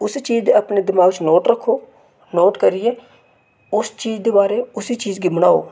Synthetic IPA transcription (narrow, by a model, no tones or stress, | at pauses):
ʊst͡ʃiːzd̪eəpneːd̪ɪmaːɡt͡ʃnoːʈɾəkʰːoː | noːʈkəɾɪɛː | ʊst͡ʃiːzd̪eːbaːɾeːʊsiːt͡ʃiːzɡɪməɽ̃aːo̰ː